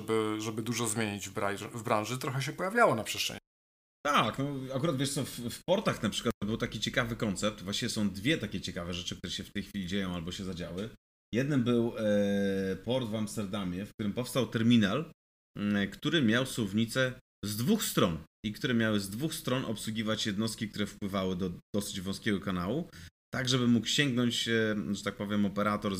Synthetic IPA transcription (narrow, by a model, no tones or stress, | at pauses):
bɘʐɛbɘd̪uʐɔzmʲjeɲid͡ʑvbɾavbɾãw̃ʐɘt̪ɾɔxɛɕ̬ɛpɔjavʲjawɔnapʂɛ̥st̪ʂɛ̰ | t̪aknɔakuɾat̪vʲɛʂt̪sɔffpɔɾt̪axnapʂɘ̥kwat̪ːɔbɘwt̪akʲit͡ɕɛkavɘkɔnt̪sɛp̚t̪vwaɕt͡ɕivʲɛsɔ̃w̃d̪vʲjɛt̪akʲɛt͡ɕɛkavɛʐɛt͡ʂɘk̚t̪uɾɛɕɛft̪ɛjxfʲilʲid͡ʑejɔ̃w̃albɔɕɛzad͡ʑawɘ | jɛd̪nɘmbɘw | pɔɾd̪vamst̪ɛɾd̪amʲjɛfk̚t̪uɾɘmpɔfst̪awt̪ɛɾmʲinal | kt̪uɾɘmʲjawswɔvɲit̪sɛ | zd̪vuxst̪ɾɔn | ikt̪uɾɛmʲjawɘzd̪vuxst̪ɾɔnʔɔpswuɡʲivat͡ɕjɛd̪nɔst̪̚kʲik̚t̪uɾɛfpwɘvawɘd̪ɔd̪̥ɔsɘd͡ʑvɔ̃skʲɛɡɔkanawut̪aɡʐɛbɘmukɕɛŋɡnɔɲt͡ɕʐɛt̪ak̚pɔvʲjɛmɔpɛɾat̪ɔɾ